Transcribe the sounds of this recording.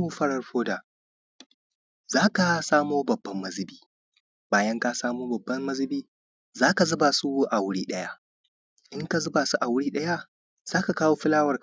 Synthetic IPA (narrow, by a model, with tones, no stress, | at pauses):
u˦ɸɐ˦ɽɐ˨rɸoː˦da˨ | zaː˦ka˨saː˦moː˦bɐ˨bːɐ˦mːɐ˦zɪ˦biː˦ | baː˦jɐ˦ŋka˦saː˦moː˦bɐ˨bːɐ˦mːɐ˦zɪ˦biː˦ | zaː˦ka˨zʊ˦ba˨su˦ʔa˨wʊ˦ɽiː˦ɗɐ˦ja˦ | ʔɪ˦ŋka˨zʊ˦baː˨su˦ʔa˨wʊ˦ɽiː˦ɗɐ˦ja˦ | z̥aː˦ka˨kaː˦woː˦ɸɪ˦laː˦wɐ˨r